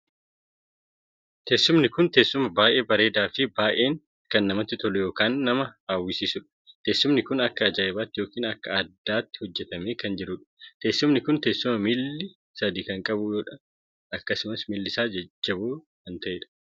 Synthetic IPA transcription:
t̪eːsːʊmnɪkʊnt̪eːsːʊmɐbaːʔe̞ːbɐɾe̞ːd̪aːfɪbaːʔe̞ːŋ | kɐnːɐmɐt̪ːɪt̪ɔlʊjo̞ːkaːnːɐmɐaːwːɪsiːsʊᶑɐ̥t̪e̞ːsːʊmnɪkʊnɐkːɐːd͡ʒaːɪbaːt̪ːɪjo̞ːkiːnɐkːɐɐd̪ːaːt̪ːɪ̥hɔd͡ʒːɛt̪ɐmeːkɐnd͡ʒɪɾʊᶑɐ̥t̪eːsːʊmnɪkʊnt̪e̞ːsːʊmɐmɪlːɪ | sɐd̪iːkɐŋkʼɐbujoːᶑɐ | ɐkːɐsʊmɐsmɪlːɪsaːd͡ʒɐd͡ʒːɐbuː | hɐnt̪ɐʔeːᶑɐ̥

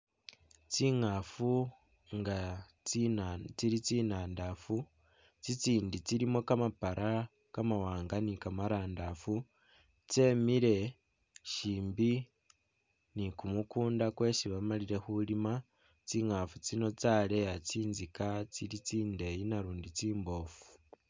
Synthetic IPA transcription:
t͡siŋafu | ŋɡa | t͡st͡siɾit͡siːnaːndafu | t͡sit͡siːndit͡siɾimo̞kamapaɾʔa | kamawaːŋɡanikamaɾaːndafu | t͡se̞miɾe̞ | ʃiːmbi | nikumukuːndakwe̞siβamaliɾe̞xulima | t͡siŋafut͡sino̞t͡sale̞jat͡siːnzikat͡silit͡siːnde̞jinaɾuːndit͡siːmbo̞ːfu̥

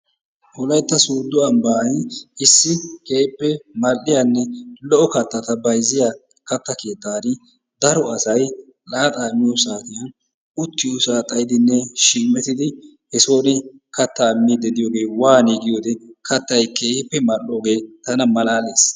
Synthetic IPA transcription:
hɔlɐjt̪ːɐsuːd̪ːʊɐmbɐjɪsːɪkeːpːɛmɐlːɪjanːɛlɔʔɔkɐt̪ːɐt̪ɐbɐjzɪja | kɐt̪ːɐke̞ːt̪ːaːnɪ | d̪ɐɾɔɐsɐj | laːt̪ʼaːmːɪjosaːt̪ɪjɐn | ʊt̪ːɪjosaːt̪ʼɐjɪd̪ɪnːɛʃiːmːɛt̪ɪd̪ɪ | hɛsoːnɪkɐt̪ːɐːmːid̪ɛd̪ɪjoːɡe̞ːwaːniːɡɪjoːd̪ɛkɐt̪ːɐjkeːhɪpːɛmɐlːo̞ːɡe̞ːt̪ɐnɐmɐlaːleːs

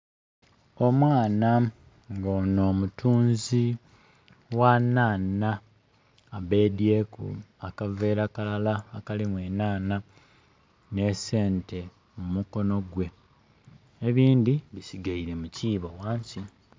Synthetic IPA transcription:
o̞mwaːna | ŋɡoːno̞ːmutʰuːnzi | wanaːnaː | βe̞diekṵakave̞ːɾakalalaːkalimwe̞ːnaːna | ne̞se̞ːnte̞ | mumuko̞no̞ɡwe̞ | eβiːndiβisiɡaiɾe̞muciːβowaːɲsi

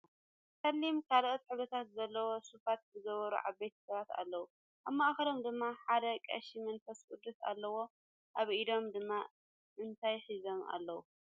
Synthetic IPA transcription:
kɐlːimkʰalɐʔt̪ħɨβɐt̪ʰat̪zɐlːɐwo̞sufat̪zɨɡɐβɐɾṵʕa̰bːejt̪ʰɐ̥sɐβat̪a̰lːɐwu | ʔaβmaʔxɐlo̞md̪ɨmːaħad̪ɐkʼɐ̰ʃimɨnfɐskʼud̪ɨt̪a̰lːɐwo̞ | ʔaβʔid̪o̞md̪ɨmːa | ʔɨnt̪ʰajħizo̞ma̰lːɐwu

